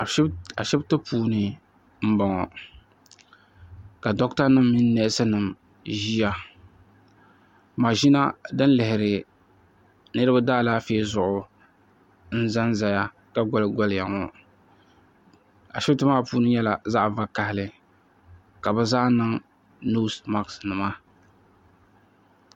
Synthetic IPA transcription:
a˨ʃɛ˦btɨ˦pʰuː˦nɨ˨ | m̩˦bɔ˨ŋɔ˨ | ka˨dɔ˦kta˦nɨ˦mːi˦nː˦ɛ˦˨ʔɪ˦sɨ˦nɨ˨m | ʒi˦ja˦ | maː˨ʒi˦na˦dɨ˦n˦lɪ˨hɪ˨ɾɪ˨ | nɨ˦ɾɨ˦ba˦daː˦˨laː˦feː˦zʊ˨ʔʊ˦ | n̩˦za˦nza˨ja˦ | ka˦ɡɔ˦lɡɔ˦lja˨ŋɔ˨ | a̰˨ʃɛ˦btɨ˦maː˦˨puː˦nɨ˦ɲɛ˦la˨za˦ʔva˦ka˨hɪ˦lɨ˦ | ka˨bɨ˦zaː˦nɨ˦ŋ | nu˦sma˦ksnɨ˨ma˦

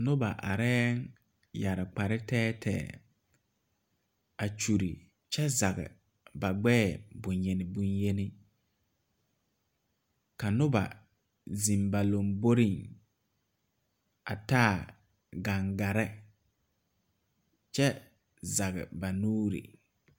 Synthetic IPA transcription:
nʊ˦ba̰˨ʔa̰˨ɾɛː˦ŋ | ja˨ɾɪ˨k͡pa˨ɾɪ˦tɛː˦tʰɛ̰ː˨ | a˨t͡ʃu˨ɾḭ˨ | t͡ʃɛ˦za˨ɣɪ̰˨ | ba˨ɡ͡bɛː˦˨bʊ˨ɲje˨nɪ˨bʊ˦nje˦nɪ˦ | ka˨nʊ˦ba̰˨ | zi˨mba˨lo˨mbo˦ɾi˦˨ŋ | a̰˨ta˦˨ | ɡa˨ŋɡa˨ɾɪ˦ | t͡ʃɛ˦ | za˨ɣɪ̰˨ba˨nuː˦ɾḭ˨

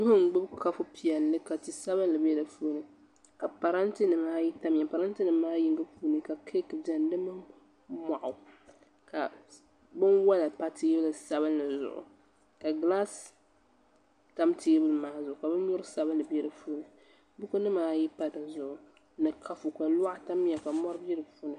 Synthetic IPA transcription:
dʊ˦hʊ˦ŋ˨ɡ͡bʊ˦bkʰa˦fʊ˦pi˨ɛ˨lnɨ˦ka˨ti˨sa˦bɨ˦nlɨ˨bjɛ˦lɨ˨fu˦nɨ˦ | ka˨pa˨ɾa˦ntɨ˦nɨ˨maː˦ji˦ta˦m˨a˨pa˨ɾa˦n˦tɨ˦nɨː˨˦aː˦ji˦ŋɡɨ˦fuː˦nɨ˦ka˨kʰe˦kɨ˨bɛ˨n˦dɨ˦mɨ˦ | ma˨ʔʊ˨ | ka˨ | bɨ˦nwa˦la˨pa˦tʰeː˦bɨ˦lɨ˨sa˦βɨ˦nlɨ˨zʊ̰˨ʔʊ̰˨ | ka˨ɡla˦s | ta˦mtʰeː˦bɨ˦lɨ˨maː˦zʊ˨ʔʊ˨ka˨bɨ˦ɲʊ˦ɾɨ˦sa˦bɨ˦nlɨ˨bɛ˦lɨ˨fuː˦nɨ˨ | bʊ˦ku˦nɨ˦maː˦ji˦pa˨da˨zʊ˨ʔʊ˨ | nɨ˨kʰa˨fʊ˨ka˨la˦ʔta˦m˦a˨ka˨mɔ˦ɾɨ˦bɛ˦lɨ˨fu˦nɨ˦

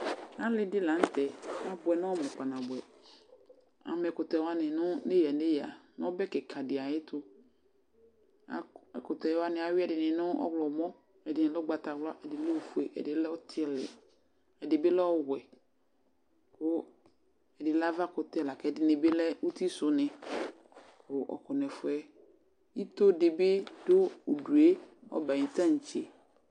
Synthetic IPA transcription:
nã˦lɪ˨˦dɪ˦lã˨˦n̩˦tʰɛ˨a˦bʊ˨ɛ˨nã˦ɔ˦mʊ̃˨k͡pa˨nã˨bɛ˨ | a̰˨mɛ˨kʊ˨tɛ˨˦wa˦nɪ̃˨nʊ̃˦ne˦ja˨ne˦ja˨ñ˦ɔ˦bɛ˦kɛ˨kʰa˨dɪ˨a˨ɪ˦tʰʊ˦ | a˨ɛ˨kʊ˨tɛ˨wa˦nɪ̃˨a˨wɪ˦ɛ˨dɪ˨nɪ̃˨nʊ̃˦ɔ̰˦wlɔ˨mɔ̃˦ | ɛ˨dɪ˨nɪ̃˨lɛ˦ɔ˦ɡ͡ba˨ta˨wlʊ˦a˦ʔɛ˨dɪ˨lɛ˦o˨fu˨e˨ʔɛ̰˨dɪ˨lɛ˦ɔ˦tʰɪ˦ɛ˦lɪ̰˨ | ɛ˨dɪ˨bɪ˦lɛ˦ɔ˦wɛ˨ | kʊ˦ | ɛ˨dɪ˨la˦va˦kʊ˨t̪ɪ˦˨la˨kɛ˨dɪ˨nɪ̃˨bɪ˦lɛ˦u˦t̪i˦sʊ˨nɪ̃˨ | kʊ˨ʔɔ̰˨kɔ˨nɛ˨fʊ˨˦ɛ˦ | i˦t̪ʊ˦dɪ˨bɪ˦dʊ˦o˨du˨e˦ɔ̰˦ba˨ɲĩ˨t̪ã˦ɲ̩˨t͡ʃe˨

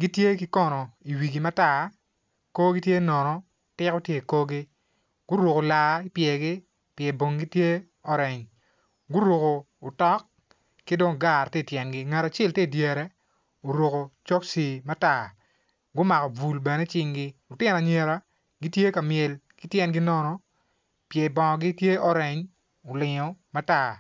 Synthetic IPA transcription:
ɡi˦tje˦ki˦kɔ˦nɔ˨i˨wi˨ɡi˨ma˦ta˦˨ | ko˦ɡi˦tje˦nɔ˨nɔ˦ | tɪ˦kɔ˦tje˦˨ko˦ɡi˦ | ɡ̥ʊ˦ɾo˨ko˨la˨i˦pjɛ˨ɡɪ˦ | pjɛ˨bo˨ŋɡi˦tje˦ | ɔ˦ɾɪ˨ŋ | ɡʊ˦ɾo˨koː˨tɔ˦k | kːɪ˦do˦ŋɡa˦˨rtɛ˦˨tjɛ˨nɡɪ˦ŋɛ˨ɾa˨t͡ʃɛ˦lti˦˨dje˨ɾɛ˦ | o˨ɾo˨ko˨t͡ʃo˦ksi˨ma˦ta˦˨ | ɡʊ˦ma˨kɔ˨bu˨lbɛ˨nɛ˦t͡ʃɪ˦ŋɡɪ˦ʊ˨tɪ˦na˨ɲe˨ɾa˦ | ɡi˦tje˦ka˨mjɛ˨l | kɪ˦tjɛ˦nɡɪ˦nɔ˦nɔ˨ | pjɛ˨bɔ˨ŋ˨ɡɪ˦tje˦ɔ˦ɾɛ˨ɲ | o˨lɪ˨ɲɔ˨ma˦ta˦˨

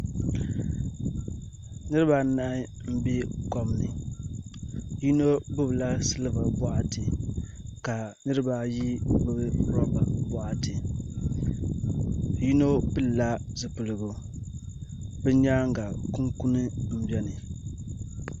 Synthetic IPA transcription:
nɨ˦ɾɨ˦ba˨˦na˦ɪ˦m̩˦bi˦kɔ˦mnɨ˨ | ji˦no˦bɨ˦bla˦sɨ˦lɨ˦va˨bɔ˦ʔa˨tɨ˨ | ka˨nɨ˦ɾɨ˦ba˨ji˦bɨ˨bɨ˦ɾɔ˦ba˨bɔ˦ʔa˨tɨ˨ | ji˦no˦pɨ˦lla˦zɨ˨pɨ˨lɨ˨ɡu˨ | bɛ˦ɲa˦ŋ˦ɡa˨ku˦ŋku˦nɨ˦m̩˦bɛ˦nɨ˨

